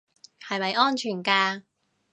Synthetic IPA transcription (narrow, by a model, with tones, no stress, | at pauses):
hɐ˨jmɐ˨jʔɔː˥nt͡ʃʰyː˨˩nkaː˧